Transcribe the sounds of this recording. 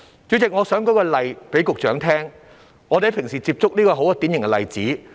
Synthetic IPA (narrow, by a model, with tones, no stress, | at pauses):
t͡ʃyː˨˥t͡sɪ˨k̚ŋɔː˨˧sœː˨˥ŋkɔ˨˥kɔː˧lɐ˨˩jpe˨˥jkʊ˨k̚t͡ʃœː˨˥ŋt̪ʰɛː˥ŋ | ŋɔː˨˧ɾe˨˧˥pʰɪ˨˩ŋsiː˨˩t͡siː˧p̚t͡sʊ˥k̚niː˥kɔː˧ɦo˨˥wkɔː˧t̪iː˨˥njɪ˨˩ŋkɛ˧lɐ˨jt͡siː˨˥